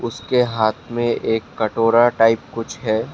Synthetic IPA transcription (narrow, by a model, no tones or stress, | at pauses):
ʊskeɦaːt̪ʰmẽeːkːɐʈoːɾaʈaːɪp̚kʊt͡ʃʰɦɛː